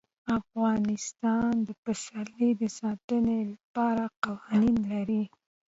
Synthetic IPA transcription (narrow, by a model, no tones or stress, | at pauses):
afɣɑnɪst̪ɑnd̪əfasalid̪əsɑt̪ənelapɑɾaqawɑninlaɾi